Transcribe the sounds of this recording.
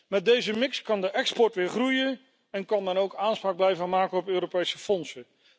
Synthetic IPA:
mɛt̚dejzəmɪkskɑndəʔɛkspɔɹtʋɪːɹχrujə | ɛnkɑnmɛnowkaːnspraːɡ̚blɛjvəmaːkəɔpøːɾopejsəfɔnsə

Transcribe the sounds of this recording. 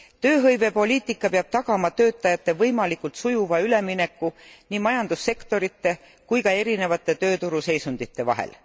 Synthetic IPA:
t̪ø̞ːɦɤjve̞po̞lʲiːt̪ˑikˑːɑpeɑb̥̚t̪ɑɡ̥ɑmɑt̪ø̞ːt̪ˑːɑjɑt̪ːe̞vɤjmɑlikːˑult̪sujuvɑyle̞mine̞kːuniːmɑjɑnd̪̥usːe̞kt̪o̞ɾit̪ːe̞ | kujkɑe̞ɾine̞vɑt̪ːˑe̞t̪ø̞ːt̪uɾuse̞jsund̪̥it̪ːe̞vɑ̰ɦḛl

